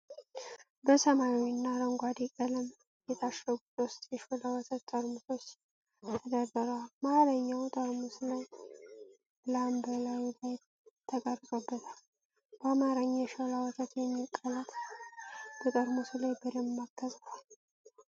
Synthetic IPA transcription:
bəsəmajwnːaɾəŋɡʷad̪ikʼələm | jɛt̪ʰaʃɾəɡusost̪ʼjɛʃolawɔt̪ʰət̪t̪ʼːəɾmuso̞t͡ʃː | t̪ʰəd̪əbəɾəwalmaɾəɲːawt̪ʼəɾmuslaj | lambəlajlaj | t̪ʰəkʼəɾsʼobːət̪ʰal | bamaɾəɲːaʃolawɔt̪ʰət̪jɛmːikʼːəlat̪ʰ | b̥ət̪ʼəɾmusulajbɨɾəmmakʰːəsʼfal

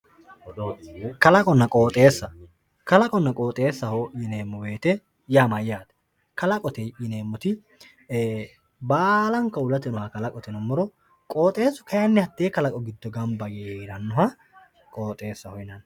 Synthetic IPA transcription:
kɐlɐkʼɔnːɐkʼoːt̪ʼe̞ːsːɐ | kɐlɐkʼɔnːɐkʼoːt̪ʼeːsːɐhojɪne̞ːmːɔweːt̪ɛ | jaːmɐjːaːd̪ɛ̥ | kɐlɐkʼɔt̪ɛjɪne̞ːmːɔt̪ɪ | baːlɐŋkːɐʊlɐt̪ɛnɔhɐkɐlɐkʼɔt̪ɛnɔmːɔɾɔ | kʼoːt̪ʼe̞ːsːɔ̥kɐjɐnːɪhɐt̪ːeːkɐlɐkʼɔɡɪd̪ːɔɡɐmbɐɡeɪɾɐnːʊɦɐ | kʼo̞ːt̪ʼe̞ːsːɐhɔjnɐn

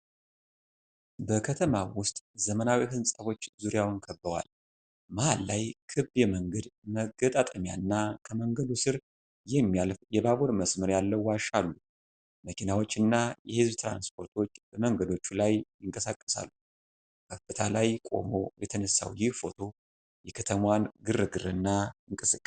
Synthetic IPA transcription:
bəkʰət̪ʰəmawʊst̪ʼzəmənawiɦɨnsʼaβo̞t͡ʃːzuɾjawnkʰəbːəwa̰l | mahalːajkʰɨβbjɛməŋɡəd̪məɡət̪ʼat̪ʼəmja̰nːakʰəməŋɡəd̪usɨɾ | jɛmːijalfjɛbaβoɾməsmɨɾjalːəwwaʃalːu | məkʰinawo̞t͡ʃːɨnːajɛhɨzbt̪ʰɾa̰nspʰo̞ɾt̪ʰo̞t͡ʃːb̥əməŋɡəd̪o̞t͡ʃːulajjɪŋkʼəsakʼːəsa̰lːu | kʰəfɨt̪ʰalajkʼo̞̰mo̞̰jɛt̪ʰənəsːa̰wjɪhfo̞t̪ʰo̞ | jɛkʰət̪ʰəmwanɡɨrːɨɡɨɾɨnːaɨŋkʼɨsɨkʼːə

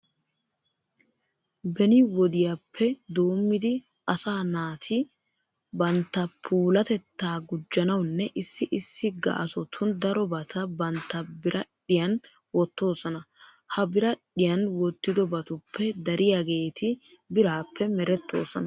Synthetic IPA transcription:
bɛnɪwɔd̪ɪjapʰːɛd̪o̞ːmːɪd̪ɪ | ɐsaːnaːt̪ʰɪ | bɐnt̪ːɐpʰuːlɐt̪ɛt̪ːaːɡʊd͡ʒːɐnɐwnːɛʔɪsːɪʔɪsːɪɡɐ̰ʔɐsɔt̪ʰʊnd̪ɐɾɔbɐt̪ʰɐbɐnt̪ːɐbɪɾʔɐᶑɪjɐn | wɔt̪ːo̞ːsɔnɐ | hɐbɪɾɐᶑɪjɐnwɔt̪ːɪd̪ɔbɐt̪ʊpʰːɛd̪ɐɾʔɪjaɡe̞ːt̪ʰɪ | bɪɾaːpːɛmɛɾɛt̪ːo̞̰ːsɔnɐ

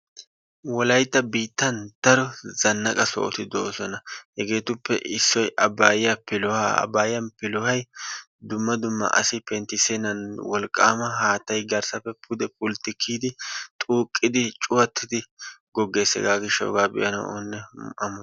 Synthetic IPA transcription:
wɔlɐjt̪ːɐbiːt̪ːɐnt̪ɐɾɔzɐnːɐkʼɐsɔ̰ʔɔ̰t̪ɪd̪oosɔnɐhɛɡe̞ːt̪ʊpːɛ̰ʔɪsːɔjʔɐbaːjɪjɐpɪlɔhaɐ̰bːaːjɪjɐnpɪlʊhɐj | d̪ʊmːɐd̪ʊmːɐ̰ʔɐ̰sɪpɛnt̪ɪsenɐnwɔlkʼːa̰ːmɐɦaːt̪ːɐjɡɐɾsɐpːɛpʰʊd̪ɛpʼʊlt̪ːɪkʰːiːd̪ɪt̪ʼuːkʼːɪd̪ɪt͡ʃʼʊwɐt̪ʰːɪd̪ɪɡɔɡːe̞ːsɛ̰ɡaːɡɪʃːɐɔ̰ɡaːbɪ̰ʔɐnɐ̰onːɛɐm

